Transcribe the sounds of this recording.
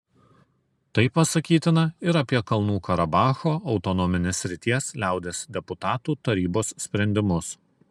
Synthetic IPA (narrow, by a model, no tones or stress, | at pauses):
t̪ɐɪpːɐsɐkʲiːt̪ʲɪnɐɪɾɐpʲiɛkɐlˠnuːkɐɾɐbɑːxoːʔɒʊt̪ɔnɔːmʲɪnʲesʲːɾʲɪt̪ʲiɛslʲæˑʊd̪ʲeːsd̪ʲɛpʊt̪ɑːt̪uːt̪ɐɾʲiːboːssʲpʲɾʲɛnʲd̪ʲɪmʊs